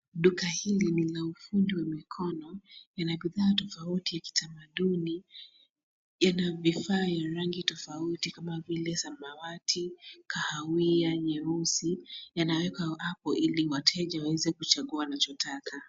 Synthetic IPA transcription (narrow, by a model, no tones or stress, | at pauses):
ɗukahilinilaufundiwamikʰɔnɔjanaɓiðaːtɔfautijaki̥tʰamaɗuni | janavifaːjaɾaŋɡitɔfautikamavilɛsamawatʰikahawiaɲɛɾusijanawɛkaʔapɔʔiliwatʰɛʄawawɛzɛkut͡ʃaɠuanat͡ʃɔtʰakʰa